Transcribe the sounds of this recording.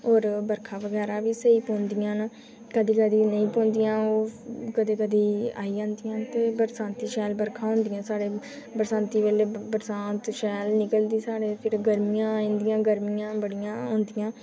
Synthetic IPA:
ɦoːɾbəɾkʰaːʋəɡɛːɾaːʋiːsəiːpõːnd̪ɪjãːn | kəd̪iːkəd̪iːnəĩːpõːnd̪ɪjãːoːkəd̪eːkəd̪iːa̰ːiːãːnd̪ɪjãːt̪eːbəɾsãːnt̪iːʃɛːlbəɾkʰãːɦʊ̃nd̪ɪjãːsaːɽeː | bəɾsãːnt̪iːʋeːleːbəɾsãːnt̪ʃɛːlnɪkəld̪iːsaːɽeːpʰɪɾɡəɾmɪjãːnd̪ɪjãːɡəɾmijãːbəɽɪjãːɦõːnd̪ɪjãː

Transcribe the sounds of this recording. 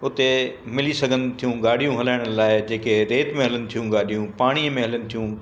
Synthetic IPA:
ʊt̪e | mɪlisɐɡʱənɪ̆t̪ʰijũɡaːɗ̤ijũɦɐlaːɪɽ̃laːɪd͡ʑeːkeɾeːt̪mẽɦɐlənɪ̆t̪ʰijũɡaːɗʱijũpaːɽ̃iəmẽɦɐlənɪ̆t̪ʰijũː

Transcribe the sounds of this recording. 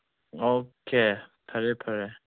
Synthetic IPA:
okʰepʰaɹeʔpʰaɹe

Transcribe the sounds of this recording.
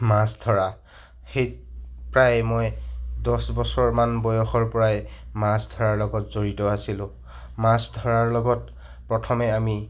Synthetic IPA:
masdʱɔɹa | xejpɹajmɔjdɔsbɔsɔɹmanbɔjɔxɔɹpɔɹajmasdʱɔɹaɹlɔɡɔtzoɹitɔasilʊ̃ | masdʱɔɹaɹlɔɡɔt | pɹɔtʰɔmɛami

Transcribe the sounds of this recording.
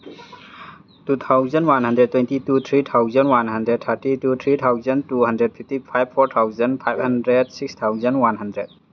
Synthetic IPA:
tut̪ʰawzɐnwanhɐndɾed̚tːwɛntitut̪ʰɾit̪ʰawzɐnwanɦɐndɾed̚tʰaɾtitut̪ʰɾit̪ʰawzɐntuhɐndɾed̚pʰiftipʰajb̚pʰːɔɾt̪ʰawzənpʰajb̚hɐndɾed̚sik̚st̪ʰawzɐnwanɦɐndɾed̚

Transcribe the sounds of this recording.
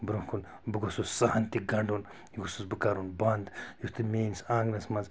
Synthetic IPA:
bɾumkʰun | bɨɡosussahɐnt̪iɡɐɳɖun | jiɡususbɨkaːɾunbɐnd̪just̪ɨmʲeːnsãːŋɡnɐsmɐnz

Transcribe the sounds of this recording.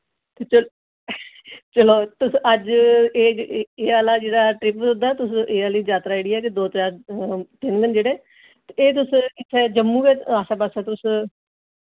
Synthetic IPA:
t̪eːt͡ʃəl | t͡ʃəloːt̪ʊsəd͡ʒeːeːaːlaːd͡ʒeːɽaːʈɾɪpsʊnd̪aːt̪ʊsʔeːaliːzaːt̪ɾaːɪːɽɪijaɛːk̬ed̪oːt̪aːɾt̪ɪnʋɪnd͡ʒeːɽeː | t̪eeːt̪̬ʊsɪt̪ʰːɛːd͡ʒəmːũːɡeːaːsaːbəsɛːt̪ʊs

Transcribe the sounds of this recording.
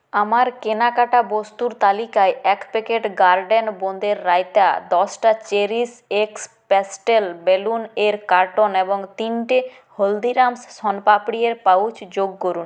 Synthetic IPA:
amaɾkenakaʈabost̪uɾt̪alikaeʔɛkpekeʈɡaɾɖenbond̪eɾːajt̪ad̪ɔsʈat͡ɕeɾiseks | pesʈelbeluneɾkaɾʈoneboŋt̪inʈi | hold̪iɾamssɔnpapɽieɾpawt͡ɕd͡ʑoɡ̚koɾun

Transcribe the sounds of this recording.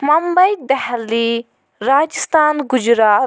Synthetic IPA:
mɐmbɐjd̪ɛɦlːi | ɾaːd͡ʒist̪aːnɡʊd͡ʒɾaː

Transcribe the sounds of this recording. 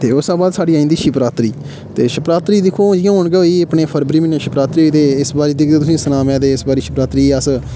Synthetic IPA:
t̪eːʊsãːbaːd̪saːɖiːaːĩnd̪iːʃɪpɾaːt̪ɾiː | t̪eːʃɪpɾaːt̪ɾiːd̪ɪkʰːõːd͡ʒɪjãːɦoːɳɡəiːəpɳeːpʰəɾbɾiːmɪnãːʃɪpɾaːt̪ɾiːt̪eːɪsbaːɾiːd̪ɪkd̪eːt̪̬ʊsĩːsənaːmɛ̃ːd̪eːɪsbaːɾiːʃɪpɾaːt̪ɾiːəs

